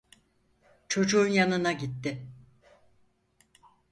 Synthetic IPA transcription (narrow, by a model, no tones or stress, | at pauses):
t͡ʃʰo̞d͡ʒuːnjanɯnaɟit̪ːɪ